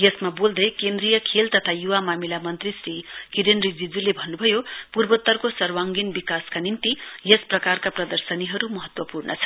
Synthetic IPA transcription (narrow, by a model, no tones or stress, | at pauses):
jesmabold̪ʌjkend̪rijʌkʰelt̪ʌt̪ʰajuwamamilamʌnt̪risrikid̪enrid͡zid͡zulebʱʌnːubʱʌjopurbot̪ːʌrkosʌrwaŋɡinbikaskanint̪ijesprʌkarkaprʌd̪ʌrsʌniɦʌɾumʌɦʌt̪wʌpurnʌt͡sʰʌ̥